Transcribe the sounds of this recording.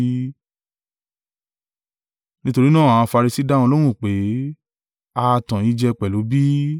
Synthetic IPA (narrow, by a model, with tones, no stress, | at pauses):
nĩ˦to˧ɾi˦nãː˦˨ã˨ã˧fa˧ɾi˧si˦dã˦ɔ̃˧lõ˦ũ˦˨k͡pe˨˦ | a˧tã˨i˨˦d͡ʒɛ˧k͡pɛ˨lo˨˦bi˦